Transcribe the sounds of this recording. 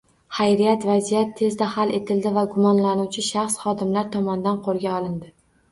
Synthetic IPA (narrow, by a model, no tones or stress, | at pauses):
hajɾijat̪vazijat̪ʰːe̞zd̪ahale̞t̪ʰɪld̪ɪvaɡʊmɒnlanuwt͡ʃʰɪʃaχsχɒd̪ɪmlaɾt̪ʰɒmɒnd̪anqʰoɾɡʲaɒlˠɪnd̪ɪ